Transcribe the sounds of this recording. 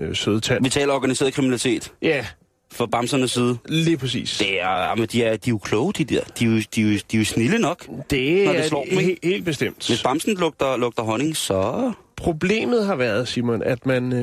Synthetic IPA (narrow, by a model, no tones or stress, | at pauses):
søð̞̩ˠt͡sʰæʋit͡sʰɛ̰ːlɐɒɡ̥ænise̝ːɐðˠkʰʁiminælit͡sʰe̝̰ːd̥jæ | fɒ̽b̥ɑ̈msɐnəsːiːð̞ˠəliːpʰʁɛs̬ḭːsd̥e̝æɐɑ̰mənd̥iæɐd̥iokʰlɔːʊd̥id̥eɐ̰d̥iud̥iud̥iusnilənɒ̽ɡ̥d̥e̝nɒdelɒ̰ːmee̝̰ːld̥̚b̥esd̥em̰d̥ʋe̝sb̥ɑ̈msn̩lɔ̽ɡ̥̚d̥ɐlɔ̽ɡ̥d̥ɐɦɒ̽ne̝ŋsɒ̽pʰʁo̝ble̝̰ːmð̞̩ˠɦɑ̈ʋæɐð̞ˠsiɐmɔnæd̥mæn